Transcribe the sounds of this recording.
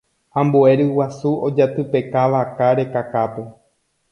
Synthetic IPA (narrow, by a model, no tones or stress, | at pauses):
ãmboe̞ɾɨwasuod͡ʒat̪ɨpe̞kaʋakaɾe̞kakap̪o